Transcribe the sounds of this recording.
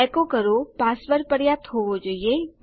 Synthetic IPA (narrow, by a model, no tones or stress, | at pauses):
ɛkokəɾopaːsʋəɾpəɽjaːt̪ɦoːʋod͡ʒoie